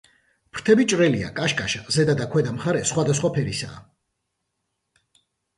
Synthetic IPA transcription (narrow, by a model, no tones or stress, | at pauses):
pʰɾt̪ʰɛbit͡ʃʼɾɛlia̰kʼaʃkʼaʃazɛd̪ad̪akʰwɛd̪amχaɾɛsχwad̪as̬χwapʰɛɾisa̰ː